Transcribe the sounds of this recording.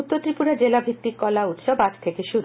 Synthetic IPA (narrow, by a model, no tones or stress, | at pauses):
ut̪ːot̪ːɾipuɾad͡ʑelabʱit̪ːikːɔlaut̪ʃɔbaʈt̪ʰekeʃuɾu